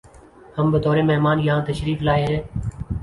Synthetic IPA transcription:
həmbəd̪ɔːɾeːmeɦmaːnjãːt̪əʃɾiːflaːeɦeː

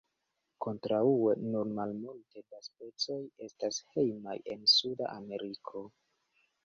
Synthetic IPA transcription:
ko̞ntɾauenunmalmulte̞daspe̞t͡so̞je̞stashe̞jma̰je̞̰nsuda̰ʔame̞ɾikʰo̞

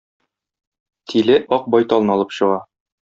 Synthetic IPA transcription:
t̪ʰilɘʔɒq̚bɒjt̪ɒlˠnɤɒlˠɤpɕɤ̆ʁɑ

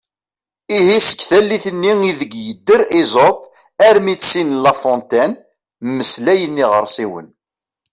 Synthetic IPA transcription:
ihisə̥kːθælːiθənːiŋiðəɡjəd̪ːəɾizop | æɾmisinlɑfɔnt̪æn | mːəslæjənːiʁəɾˤsiwə̰n

